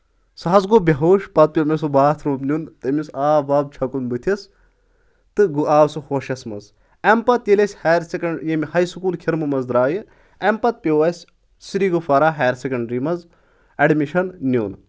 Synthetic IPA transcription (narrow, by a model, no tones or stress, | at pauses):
sɐɦɐzɡobʲɐɦoːʃpɐt̪̚pʲomɐsobaːt̪ʰɾoːbnʲunt̪ɐmʲisaːbaːb̚t͡ʃʰɐkunbɨt̪ʰɐs | t̪ɨɡuʔaːwsɨhoʃɐsmɐz | ɐmpɐt̪jelʲɐsʲhɐːɾsekɐɳɖjemʲhɐjsɨkuːlkʲʰiɾmɨmɐzd̪ɾaːjɨ | ɐmpɐt̪̚pʲoʋɐsʲ | siɾiːɡofɐɾaːɦeːɾsekɐɳɖɾimɐz | ɐɖmiʃɐnnʲuːn